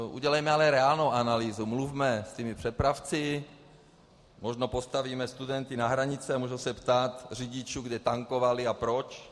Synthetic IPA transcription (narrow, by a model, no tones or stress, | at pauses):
ʔṵɟɛlɛjmɛalɛɾɛalnowanaliːzumlufmɛst̪imɪpr̝̥ɛpɾaft͡sɪ | moʒnopo̞st̪aviːmɛst̪udɛnt̪ɪnaɦɾaɲɪt͡sɛamuʒɛwsɛpt̪aːt̪r̝iɟɪt͡ʃuːɡdɛt̪aŋkovalɪapɾot͡ʃ